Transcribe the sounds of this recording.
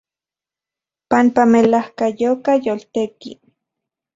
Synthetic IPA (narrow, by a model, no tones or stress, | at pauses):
panpamelahkajokajolt̪ekḭ